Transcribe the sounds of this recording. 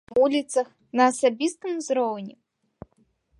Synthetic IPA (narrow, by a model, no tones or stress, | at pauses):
ulʲit̪sɐx | nɐːsɐbʲist̪ɨmzrownʲɪ